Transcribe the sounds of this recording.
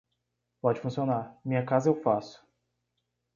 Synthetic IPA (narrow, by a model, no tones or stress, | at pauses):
pɔd͡ʒɪfũsionaɾmĩɲɐkazɐewfasʊ̥